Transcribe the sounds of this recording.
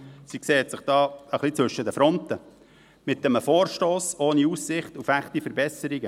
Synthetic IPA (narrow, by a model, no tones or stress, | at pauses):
sikseːtsɪχd̥ɑːəχlit͡sʋɵʃədəfɾɔnt̪ə | mɪt̪̚ːəməfoːɾʃtoːsoːniussɪχtufæχtifəɾbɛsəɾiɡə